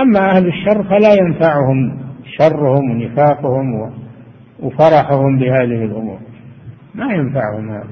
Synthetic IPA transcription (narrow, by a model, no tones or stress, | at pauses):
ʔamːaʔahlɪʃːɑrˤːfalajanfaʕʊhʊmʃɑrˤːʊhʊmwnɪfaːqʊhʊmwɪ | wfɑɾˤɑħʊhʊmbɪhaːðɪhɪlʔʊmṵːɾ | majanfaʕhʊmha̰ːða